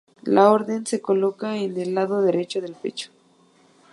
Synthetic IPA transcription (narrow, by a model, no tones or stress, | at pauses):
lao̞ɾðe̞nse̞ko̞lo̞kaenelːaðoðe̞ɾe̞t͡ʃoðe̞lpe̞̰t͡ʃo̥